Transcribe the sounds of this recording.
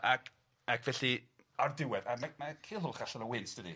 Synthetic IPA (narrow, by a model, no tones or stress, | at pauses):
akʰ | akʰv̥ɛɬi | ardɪwɛdamamakʰeːlˠɦhʊlˠχaɬɔnəwɪnsd̥ədi